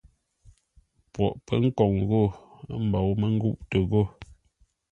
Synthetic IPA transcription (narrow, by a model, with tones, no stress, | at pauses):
pwɔ̰˨ʔpə˦ŋ̩˦kɔ˨ŋɣo˦˨˦m̩˨bɔ˨wmə˦ŋ̩˦ɡu˦ʔtə˨ɣo˦˨